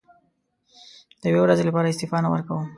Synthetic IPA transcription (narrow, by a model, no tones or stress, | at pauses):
d̪̥əjwewɾazelapɑɾaɪst̪ɪfɑnawə̰ɾkawəm